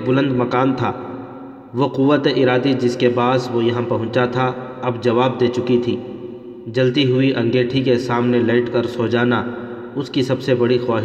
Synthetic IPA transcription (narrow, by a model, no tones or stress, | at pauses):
bʊlə̃nd̪mɐkaːnt̪ʰa̰ː | ʋoqʊʋːət̪eʔɪɾaːd̪id͡ʒɪskebaːsʋojɐɦãpɐɦʊ̃t͡ʃat̪ʰa | ɐbd͡ʒɐʋaːb̚d̪eːt͡ʃʊkit̪ʰiː | d͡ʒɐlt̪iɦʊiʔɐ̃ŋɡeːʈʰikesaːmneleːʈkɐɾsoːd͡ʒaːna | ʊskisɐbsebɐɽixwaːɦ